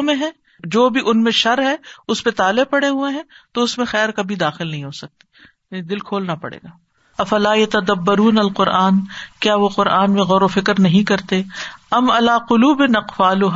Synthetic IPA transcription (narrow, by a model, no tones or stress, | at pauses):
mẽɦɛ̃ː | d͡ʒoːbʱiʔʊnmẽʃɐɾɦɛʊspet̪aːlepɐɽeɦueɦɛ̃ːt̪oʊsmẽxɛːɾkɐbʱid̪aːxɪlnɐɦĩɦoːsɐk̚t̪i̥ː | nid̪ɪlkʰoːlnapɐ̰ɽḛːɡaː | ɐfɐlaːjɐt̪ɐd̪ɐbːɐɾuːnɐlqʊɾʔaːnkjaːʋoqʊɾʔaːnmẽɣɔːɾofɪkɾnɐɦĩkɐɾt̪eɐmɐlaːqʊluːbɪnɐqfaːlʊɦ